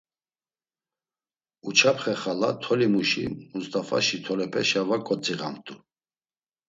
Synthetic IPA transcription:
ut͡ʃʰapʰχɛχalat̪ʰɔlimuʃḭmust̪ʼafa̰ʃit̪ʰɔlɛpʰʼɛʃavakʼɔt͡sʼiʁa̰mt̪ʼu

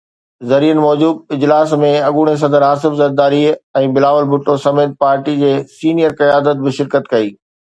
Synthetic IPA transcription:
zɐɾiːənɪ̆mɔːd͡ʑuːd̪̚ɪd͡ʑlaːsmẽɐɠuːɽ̃es̬ɐ̃d̪əɾɦaːsɪfzɐɾd̪aːɾiɛ̃ːbɪlaːʋəlbʱʊʈːosɐmeːt̪̚paːɾʈid͡ʑeːsiːnijəɾqɐjaːd̪ət̪̚bɪʃɪɾkət̪kɐiː

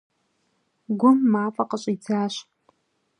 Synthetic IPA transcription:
ɡʷʊmːaːfʼɐqəɕʼit͡sʰaːɕ

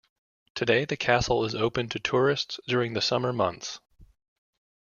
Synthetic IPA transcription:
tʰɨdeɪðɨkʰæsl̩ˠɪzoʊpɨ̃ntʰɨtʰʊɹɨstsd̥ʊɹɪ̃ŋðɨsʌmə˞mʌ̰̃nθs

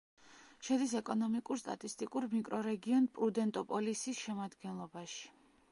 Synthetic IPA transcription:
ʃɛd̪isɛkʼɔnɔmikʼuɾst̪ʼa̰t̪ʼist̪ʼikʼuɾmikʼɾɔɾɛɡiɔnpʼɾud̪ɛnt̪ʼɔpʼɔlisisʃɛmad̪ɡɛnlˠɔbaʃi̥

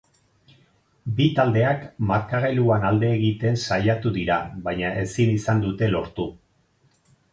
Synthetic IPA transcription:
bit̪ald̪e̞akmaɾkaɣeluanald̪e̞ːɣit̪e̞nsajat̪uðiɾaβajɲaʔe̞sinisand̪ut̪e̞lo̞ɾt̪u

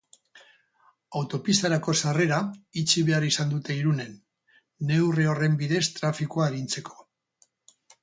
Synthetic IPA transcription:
awt̪o̞pist̪aɾako̞sare̞ɾait͡ʃiβe̞arisand̪ut̪e̞iɾune̞nː | e̞wreo̞re̞mbiðe̞st̪ɾafikuaeɾint͡se̞kʰo̞̥

